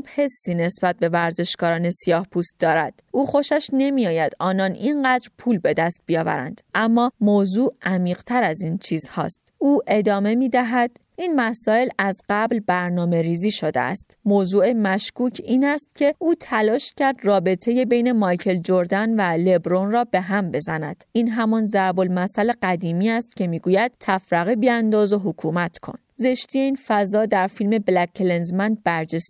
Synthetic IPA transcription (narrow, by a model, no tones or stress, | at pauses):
phe̞sːiːne̞sb̥æt̪̚be̞væɾze̞ʃkɒːɾɒːne̞sijɒːhpʰuːst̪̚d̪̥ɒːɾæd̪̥uːxo̞ʃæʃne̞mijɒːjæd̪̥ɒːnɒːninɢæːd̪ɾpʰuːlbe̞d̪æst̪̚bijɒːvæ̰ɾæ̰nd̪̥ʔæmːɒːmozuːʔʔæmiːqt̪ʰæɾæziːnt͡ʃʰiːz̥hɒ̰ːst̪uːʔe̞d̪ɒːme̞miːd̪æɦæd̪̥ | ʔiːnmæsɒːelæzɢæblbæɾnɒːme̞ɾiːziːʃo̞d̪ḛʔæ̰st̪mozuːe̞mæʃkuːcʰiːnæst̪̚cʰe̞ʔuːt̪ʰælɒːʃcʰæɾd̪rɒːbe̞t̪ʰe̞je̞bejne̞mɒjcʰe̞ld͡ʒoɾd̪ænvæle̞bɾonrɒːbe̞ɦæmbe̞zænæ̰d̪̥ʔiːnɦæmɒnzæɾbo̞lmæsæleɢæd̪iːmiːæst̪̚cʰe̞miːɡuːjæd̪̥̚t̪ʰːæfɾæɣibiænd̪ɒːzo̞ɦokʰuːmæt̪ʰkʰo̞̰nze̞ʃt̪iːje̞iːnfæzɒːd̪æɾfilme̞blækʰːelenzmænbæɾd͡ʒes